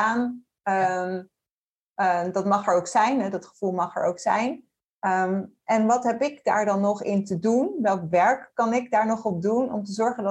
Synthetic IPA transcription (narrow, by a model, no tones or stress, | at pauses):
aːn | əm | dɑtmɑχɛɹowksɛjnɦɛdɑtχə̥v̥ulˠmɑχɛ̰ɹo̰wksɛ̰jn | əmʔɛnʋɑtɦɛpɪkda̰ːɹdɑnːɔχɪntədunʋɛlˠkʋɛɹkːɑnɪɡdaːɹnɔχɔb̚dunɔ̰mtəzɔɹχəndɑ